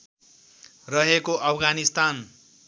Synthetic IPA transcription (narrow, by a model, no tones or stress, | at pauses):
rʌɦekoʔʌpʰɡanist̪an